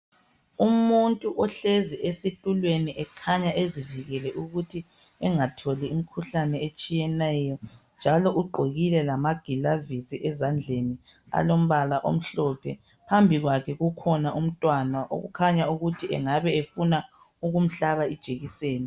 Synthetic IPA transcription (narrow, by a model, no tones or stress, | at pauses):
umuntʼuʔɔɬeziʔesitʼulweniʔɛkʰaɲaʔeziviɣɛlɛʔuɣutʰi | ɛŋatʰoliimikʰuɬanɛet͡ʃʼijɛnɛːjɔnd͡ʒʱalɔʔuɡ͡ǃʱeɣilɛlamaɡ̥ʱilavisiʔɛzand͡ɮʱenia̰lom̩βalaʔo̰m̩ɬɔpʰɛ | pʰambʱiɣwakʰɛɣukʰɔnaʔum̩tʼwanaʔo̰ɣṵkʰaɲauɣutʰiɛ̰ŋaβɛefuna | uɣum̩ɬaβaid̥ʒ̥ʱeɣiseːni